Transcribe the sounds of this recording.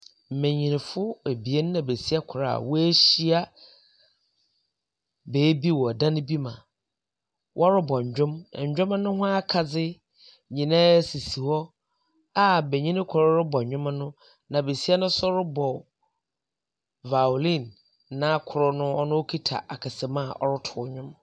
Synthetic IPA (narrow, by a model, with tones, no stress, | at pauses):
m̩˨mẽ˨ɲĩ˨nɪ̃˨fʊ˦e˨bi˨e˦n˦nã˨be˨si˦a˦kʰʊ˨ɾa̰˨wɔ˦æ˦ɕi˦a˦ | beː˨˦bi˦wɔ˨dã˦ñ˦bi˦mã˨ | wʔɔ˦ɾɪ˦bɔ˨ɲ̩˨d͡ʑᶣʊ̃˦m˨ɲ̩˨d͡ʑᶣʊ̃˦mã˦nʊ̃˦ɦʊ̃˦a˦kʰa˨d͡zɪ˦ | ɲĩ˨nã˦si˨si˨hɔ˦ | a˦˨be˨ɲĩ˦nɪ̃˦kʰʊ˨ɾɔ˦ɾɪ˦bɔ˨ɲᶣʊ̃˦ma˦nʊ̃˦ | nã˨be˨si˦a˦nʊ̃˦sʊ˦ɾʊ˦bɔ˨ | va˨lĩ˦˨nː | ã˦kʰʊ˨ɾɔ˦nʊ̃˦ɔ˦nʊ̃˦o˦kʰi˦tʰa̰˨ʔa˨kʰa˨sɛ˨mã˦˨ʔɔ̰˦ɾʊ˦tʰʊ˨ɔ˨ɲᶣʊ̃˦m